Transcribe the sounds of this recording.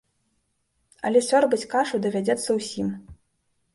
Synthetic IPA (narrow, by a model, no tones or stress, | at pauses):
ɐ̰lʲɛsʲɔrbɨt͡sʲkaʂud̪ɐvʲad͡zʲɛt̪sːɐwsʲim